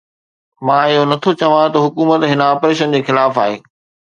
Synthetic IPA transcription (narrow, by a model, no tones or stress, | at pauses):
mãɪɦonɐt̪ʰot͡ɕɐʋãt̪ɐɦʊkuːmət̪ɦɪnəaːpɾeːʃ̬ənd͡ʑeːxɪlaːfaːɦḛː